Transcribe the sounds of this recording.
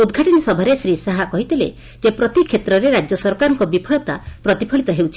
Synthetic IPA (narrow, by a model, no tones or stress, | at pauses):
ud̪ɡʱaʈinisɔbʱaɾesɾisaɦakɔɦit̪elḛ | d͡ʒepɾɔt̪ikʰːet̪ɾɔɾeɾad͡ʒjɔsɔɾkaɾɔŋkɔbipʰɔɭɔt̪a̰pɾɔt̪ipʰɔɭit̪ɔɦewt͡ʃʰi̥